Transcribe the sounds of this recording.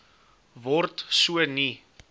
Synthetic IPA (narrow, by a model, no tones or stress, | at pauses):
vɔrtsuəni